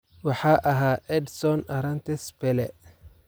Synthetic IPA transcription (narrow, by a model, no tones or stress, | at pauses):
wɑħɑːʔɐɦaːɛd̪sɔnɐɾɐnt̪ʰɛspɛlɛ